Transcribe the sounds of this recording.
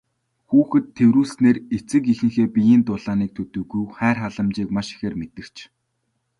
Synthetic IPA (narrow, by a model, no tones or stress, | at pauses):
xuːxɘ̆t̪ʰːewɾuːsneːret͡sɘ̆kixɘ̆ŋxeːpijiːnt̪ʊɮ̥aːniːk̚t̪ʰɵt̪ɵ̆ɣujwχæːrχaɮə̆mt͡ɕiːkmaʃi̥xeːrmet̪ɘ̆kt͡ɕʰ